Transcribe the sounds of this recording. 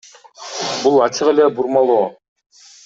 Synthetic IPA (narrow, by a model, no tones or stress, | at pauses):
bulˠɑt͡ʃɯʁelebuɾmɑlˠoː